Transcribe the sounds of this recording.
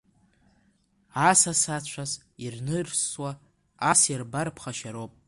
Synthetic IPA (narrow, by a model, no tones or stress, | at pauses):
asasat͡ɕʷʰaz | irnɨrswa | asjarbarpʰχaʃaɾowpʼ